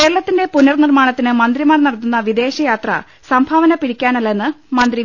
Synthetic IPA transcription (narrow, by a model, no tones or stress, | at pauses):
ke̞ːɾɐɭɐt̪ːinde̞punɐrnirmaːɳɐt̪ːinɨmɐnd̪rimaːrnɐɽɐt̪ːunːɐʋid̪e̞ːɕɐjaːt̪rɐ̰ | sɐmbʱaːʋɐnɐpiɽikʲːaːnɐlːenːɨmɐnd̪ri